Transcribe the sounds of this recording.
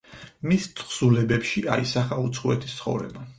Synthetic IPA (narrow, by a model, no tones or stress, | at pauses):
mist̪sʰʼχsulɛbɛpʃiaisaχaut̪sʰχuɛt̪ʰi̥st̪sʰχɔ̰vɾɛ̰ba